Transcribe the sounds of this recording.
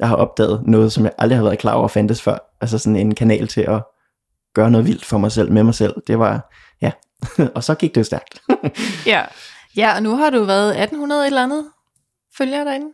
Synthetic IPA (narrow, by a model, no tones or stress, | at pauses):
jɑ̈ɪhɑ̈ʔɒ̽b̥̚d̥ɛ̰ːð̩ˠnɔ̽ːð̞̩ˠsɒ̽mjɑ̈ɪʔɑ̈ld̥ihæðʋæɐð̩ˠkʰlɑ̰̈ːɒ̰ʊ̰ɐɒfænd̥əsfɶɐ̰ʔæls̬əsɒ̽ne̝nkʰænɛ̰ːlt͡sʰe̝ʔɒ̽ | ɡ̥ɶːɐnɔ̽ːðˠʋil̰d̥fɒ̽mɑ̈ɪsel̰memɑ̈ɪsel̰d̥e̝ʋɑ̈ | jæ | ɒ̽sɒ̽ɡ̥iɡ̥̚d̥ejosd̥æɐɡ̥d̥jæ | jæɒnuɦɑ̈ɾuʋæɐð̞̩ˠæd̥n̩hunɐð̞̩ˠe̝ɾ̥elænð̞̩ˠ | føljɐɾ̥ɑenn̩